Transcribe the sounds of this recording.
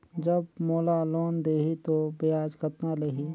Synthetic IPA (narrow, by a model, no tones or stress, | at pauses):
d͡ʒəbmoːlaloːnd̪eːɦit̪obɪjaːd͡ʒkət̪naleɦi